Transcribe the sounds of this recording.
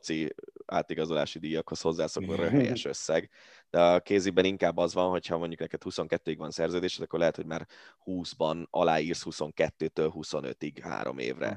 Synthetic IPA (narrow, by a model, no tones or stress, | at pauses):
t̪siaːt̪iɡɒzo̞la̰ːʃid̪ijɒkho̞sho̞zːaːsoknurøɦɛjɛ̰ʃø̞sːɛɡ | d̪̥ɛɒkeːzibɛniŋkaːbːɒzʋɒnɦo̞chɒmo̞ɲɟuknɛkɛt̪huso̞ŋkɛt̪ːøːiɡvɒnsɛrzøːd̪eːʃɛt̪ɒkːorlɛɦɛt̪ho̞ɟmaːrhuːzbɒnɒ̰laːiːrshuso̞ŋkɛt̪ːøːt̪øːlɦuso̞nø̰t̪iɡha̰ːɾo̞̰mḛːvrɛ̰